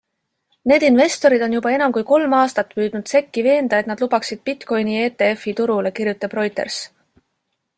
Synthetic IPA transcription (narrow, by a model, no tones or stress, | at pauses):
ne̞ːd̪inve̞st̪o̞ɾid̪o̞njubɑe̞nɑmkujko̞lmɑːst̪ɑt̪ːˑpyːd̪̥nud̪̥se̞kːive̞ːnd̪̥ɑet̪nɑd̪̥lubɑksid̪̥̚pit̪ko̞jnie̞ːt̪e̞efit̪uɾule̞kirjut̪ːˑɑb̥ro̞jt̪ˑe̞̰rs